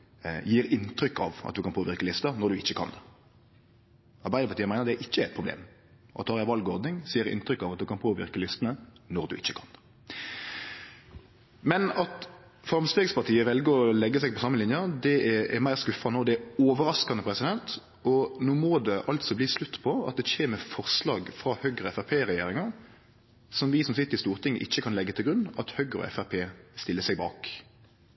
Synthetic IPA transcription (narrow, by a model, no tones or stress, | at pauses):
jiːɾɪnt̪ɾʏkːɑ̰ʋʔɑ̰d̪ʉkʰɑnpʰoːʋɪɾkəlɪst̪ɑnɔɾd̪ʉɪçːəkʰɑ̰n | ɑɾbæɪəpɑʁt̪iːəmæɪnəɾd̪ɛʔɪçːəɛt̪̚pʰʊblḛːm | ʔɑ̰t̪ʰːɑːʁjæʋɑlɡɔɾd̪nɪŋsiːəɾɪ̰nt̪ɾʏkːɑʋɑt̪̚d̪ʉkʰɑnpʰoːʋɪ̰ɾkəlɪst̪ənənɔʁd̪ʉɪçːə̥kʰɑn | mɛnɑt̪ | fɾɑmst̪eːɡspɑt̪iːəʋɛlɡəɾɔlɛɡːəsɛɡ̚pʰɔsɑmːəlɪnjɑd̪ɛɛɛɾmæɪʁskʉfɑnoːd̪ɛɛoːʋəɾɑskɑnəpʰʁɛsɪd̪ɛnt̪ | ɔnoːmoːd̪ɛʔɑlt̪sɔbliːslʉt̪ːpʰɔɑ̰t̪̚d̪ɛçeːməfɔʁslɑːɡfɾɑhœɡʁəɛfæpʰeːʁɛjeːɾɪŋɑʁ | sɔmʋɪsɔmsɪt̪ːəɾɪst̪uːʁt̪ʰɪŋːə̰ʔɪçːəkʰɑnlɛɡːət̪ʰɪlɡɾʉnːɑt̪hœɡɾəɔ̰ɛ̰fæpʰeːst̪ɪləsɛɡbɑ̰ːk